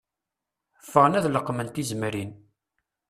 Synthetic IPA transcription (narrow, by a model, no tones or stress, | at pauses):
fəʁnæðləqːmənt̪izmɾin